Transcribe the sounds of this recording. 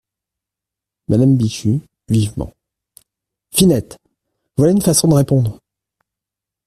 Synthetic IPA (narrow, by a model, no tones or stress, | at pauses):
mʔad̪ambiʃy | vivmɑ̰̃ | finɛt̪ | vwalaynfasɔ̃d̪əʁepɔ̃d̪ʁ